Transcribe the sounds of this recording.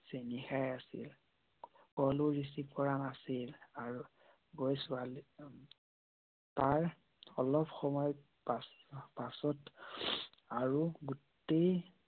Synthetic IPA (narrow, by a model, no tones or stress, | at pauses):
senixajasḭl | kɔluɹisip̚kɔɹanasilaɹu | ɡojsʊali | taɹ | ɔlɔpxɔmɔjɔ | paspasɔt | aɹuɡut | ej